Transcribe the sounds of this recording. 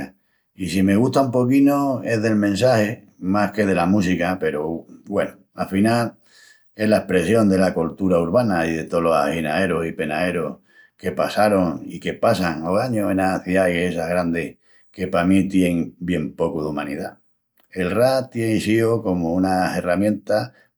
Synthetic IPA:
isime̞ɣ̞uht̪aumpo̞kinoe̞ðe̞lmẽ̞nsahe̞ | mahke̞ðe̞lamusikape̞ɾobwe̞no | afinal | e̞ɦlaehpɾe̞sjo̞nd̪e̞lakolt̪uɾauɾβanaiðe̞t̪olo̞sa̰hinae̞ɾosipe̞nae̞ɾoh | ke̞pasaɾo̞ŋike̞pasaŋoɣaɲoenaθjajesaɦɣɾand̪eh | ke̞pamit̪jeŋbje̞mpo̞kuðuma̰nḭða | e̞lrat̪jenisioko̞mounase̞ramjẽ̞nt̪a

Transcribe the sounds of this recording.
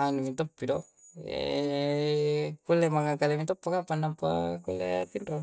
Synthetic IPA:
anumit̪opːido | ḛ | kulemaŋakalemit̪opːakapanːampakulet̪indo

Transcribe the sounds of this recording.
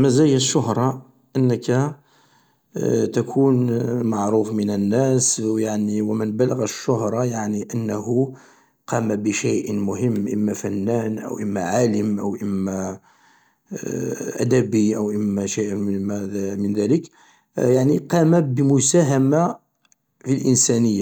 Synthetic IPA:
mæzæjəʃːʊhɾˤɑ | ʔənːəkæ | t̪ækʰunmaʕɾufmənənːæsjaʕniwəmənbæləɣæʃːʊhɾˤɑjaʕniʔənːæhu | qɑmabəʃejʔmʊhəmːʔə̰mːæfænːænʔə̰wʔəmːæʕaləmʔə̰wʔəmːæ | ʔæ̰d̪æbiʔəwʔəmːæʃejʔmæmənðælək | jaʕniqɑmabəmʊsæɦama | filʔənsænəjːa

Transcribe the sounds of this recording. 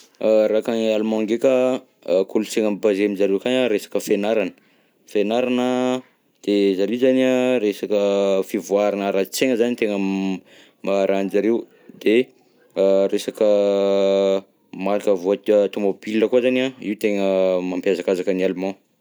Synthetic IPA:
ɾakanialumɔ̃ŋɡeka | kʰulut͡seŋəmbazemizaɾewkanaɾesḁkəfenaɾanə̥ | fenaɾanə | d̪̥ezaɾewzanaresakəfivuaɾinəɾat͡seŋəzanit̪eŋə | maɾʔanizaɾew | d̪e | ɾesakə | maɾakəvoat̪t̪umobilːəkuazanaiwt̪eŋəmampjazakazakənialumɔ̃

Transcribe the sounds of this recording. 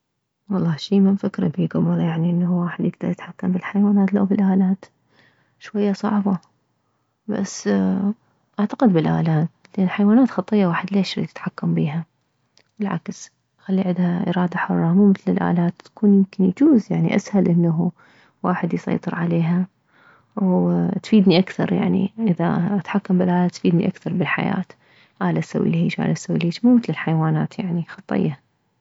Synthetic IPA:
wɑlˤːɑːʃiːmɪnfɪkɾɑ̰biːɡabɑɾˤjaʕniʔɪnːahwaːħɪd̪jɪɡd̪ɑɾˤjɪt̪ħakːambɪlħajwaːnaːt̪lawbɪlʔaːlaːt̪ | ʃwajːasˤɑ̰ʕbɑ | ba̰sː | ʔaʕt̪aqɪd̪bɪlʔa̰ːlaːt̪ | lʔɪnːħajwaːnaːt̪xɑt̪ˤɨjːawaːħɪd̪leːʃɾḭt̪ɪt̪ħakːambiːɦa | bɪlʕa̰ks | xalːiʕɪd̪haʔɪ̰ɾɑːd̪aħʊrˤːɑmuːmɪθlɪlʔa̰ːlaːt̪ːḁkuːnjɪmkɪnjt̪uːzjaʕnḭʔa̰shalʔɪnːaɦ | waːħɪd̪jsˤɑ̰jt̪ˤɨɾʕaleːɦa | wt̪fiːd̪niʔakθɑɾˤja̰ʕnḭʔɪða̰ʔat̪ħakːambɪlʔaːlaːt̪fiːd̪nḭʔakθɑɾˤbɪlħa̰ja̰ːt̪ | ʔaːlasawːḭlhiːd͡ʒʔa̰ːlasawiliːʃmuːmɪθlɪlħajwaːnaːt̪jaʕnixɑt̪ˤːɪ̰jːa

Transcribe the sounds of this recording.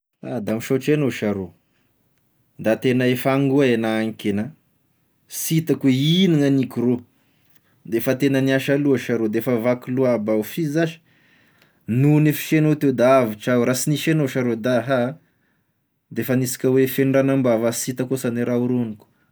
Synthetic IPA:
a̰d̪amiʃoʈ͡ʂenoʃaɾo | d̪at̪enəefaŋɡuaenaaŋkena | sit̪akweiniŋənikuɾo | d̪efət̪enəniaʃaluaʃaɾod̪eefavakuluabaufizaʃi̥ | nunefi̥ʃenot̪ed̪aaviʈ͡ʂaɾasiniʃenoʃaɾod̪aɦa | d̪efanisi̥kʲəwefeɳɳɖ͡ʐanambavasit̪akosaneɾauɾuniku̥

